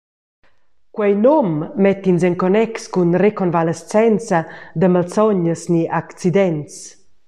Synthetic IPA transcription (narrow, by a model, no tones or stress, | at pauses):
kwɛjnɔmːɛt̪ːinsɛŋkɔnɛkskunrekɔnvalest͡sɛnt͡sad̪əmalt͡sɔɲəsniʔakt͡sid̪ɛntt͡s